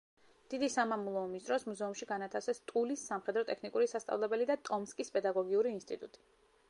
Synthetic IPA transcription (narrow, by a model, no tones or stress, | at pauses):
d̪̥id̪isamamulˠɔɔmisd̪ɾɔsmuzɛumʃiɡanat̪ʰasɛst̪ʼulisːamχɛd̪ɾɔt̪ʼɛkʰnikʼuɾisast̪ʼa̰vlɛbɛlid̪at̪ʼɔmskʼispʼɛd̪aɡɔɡiuɾiːnst̪ʼḭt̪ʼut̪ʼi̥